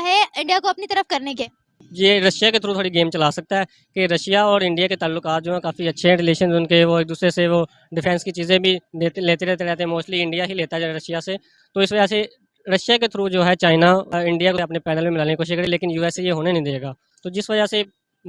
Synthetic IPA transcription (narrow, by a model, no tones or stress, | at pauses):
ɦɛɪ̃ɳɖijakoɐpnit̪əɾəfkɐɾnekeː | jeːɾəʃjaket̪ʰɾũt̪ʰoːɽiɡeːmt͡ʃəlaːsək̚t̪aɦɛː | keɾəʃjaɔːɾɪ̃ɳɖɪjaket̪aːlːʊkaːt̪̚d͡ʒoːɦɛ̃kaːfiətːʃʰeɛ̃ɾɪleːʃənʊnkeʋoɪːk̚d̪uːsɾeseʋoː | ɖɪpʰɛ̃ːnskit͡ʃiːzẽbʱileːt̪leːt̪eɾɛːt̪eɾɛːt̪eɛ̃moːʃliɪ̃ɳɖijaɦileːt̪aɛd͡ʒoːɾəʃjaseː | t̪oːɪsʋəd͡ʒase | ɾəʃjaket̪ʰɾũd͡ʒoːɦɛːt͡ʃaːɪnaːɪ̃ɳɖijakoəpnepɛːnəlmẽmɪlaːnekoʃɪkɾeleːkɪnjuːɛːsejeːɦoːnenə̃ɦĩd̪eːɡaː | t̪oːd͡ʒɪsʋəd͡ʒase